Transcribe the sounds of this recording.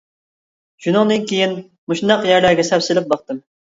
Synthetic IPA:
ʃunɨŋd̪ɨnkʲʰejin | muʃnd̪ɑqjæɾlæɾɡʲɛsɛpsɪlɪp̚bɑq̚t̪ɨm

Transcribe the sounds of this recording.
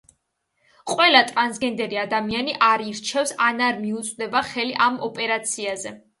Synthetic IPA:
qʼwɛlat̪ʼɾansɡɛnd̪ɛɾiad̪amianiʔaɾiɾt͡ʃʰɛfsanaɾmiut̪sʼd̪ɛbaχɛliʔamɔpʼɛɾat̪sʰiazɛ

